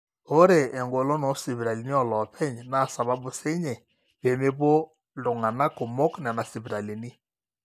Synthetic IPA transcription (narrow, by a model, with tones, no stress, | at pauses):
o˦ɾeː˨ŋɡo˨lɔ˦nɔ˨˦si˨βi˨ɾa˨li˨ni˦ɔ˨lɔ˨pʰɛ˦ɲna˦˨sa˨βa˦bu˨se˦ɲɛ˨ | pe˨me˦po˦ | lʊ˨ŋa˨na˦ko˨mo˦knɛ˨na˨si˨bi˨ɾa˨li˨ni˦